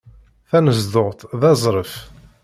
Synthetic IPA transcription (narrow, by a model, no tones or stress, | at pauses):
θænəzd̪oʁt̪ðɑzˤɾˤəf